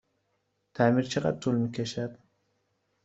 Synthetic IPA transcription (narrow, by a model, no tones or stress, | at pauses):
t̪ʰæmiːɾt͡ʃʰeɣæ̰d̪̚t̪ʰulmiːkʲʰeʃæd̪̥